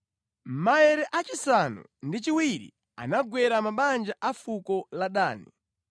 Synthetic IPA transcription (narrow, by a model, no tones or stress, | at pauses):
m̩maɛɾɛʔat͡ʃisanṵndit͡ʃiwiɾḭ | a̰naɡwɛɾamaɓand͡ʒaʔafukɔlaɗaːni